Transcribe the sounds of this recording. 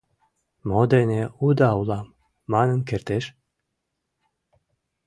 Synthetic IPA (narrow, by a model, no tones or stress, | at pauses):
mod̪eneud̪awlˠɑmː | anə̆nkʰeɾt̪eʃ